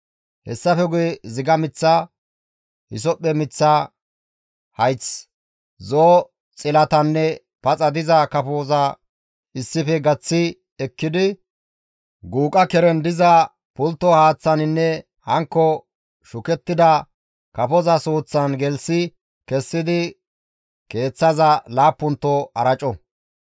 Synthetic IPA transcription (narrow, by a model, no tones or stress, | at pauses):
hɛ̰sːɐfɛɡʊjɛzɪɡɐmɪt͡sːa | hɪ̰s̬ɔpʼːɛmɪt͡sːa | hɐjt͡s | zoː | t͡sʼɪlɐt̪ɐnːɛ | pɐt͡sʼɐd̪ɪzɐkɐfoːzɐ | ɪsːɪfɛɡɐt͡sːɪ | ɛkːɪd̪ɪ | ɡuːkʼɐkɛɾɛnd̪ɪzɐ | pʊlt̪ːɔhaːt͡sːɐnɪnːɛ | hɐŋkːɔ | ʃʊkɛt̪ːɪd̪ɐ | kɐfɔzɐsuːt͡sːɐnɡɛlsɪ | kɛsːɪd̪ɪ | ke̞ːt͡sːɐzɐlaːpːʊnt̪ːɔɐɾɐt͡ʃʼɔ